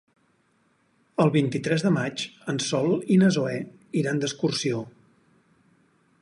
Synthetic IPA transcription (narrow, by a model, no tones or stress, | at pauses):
əlˠβint̪it̪ɾɛzðəmat͡ʃənsɔlˠinəzoɛ | iɾand̪əskursio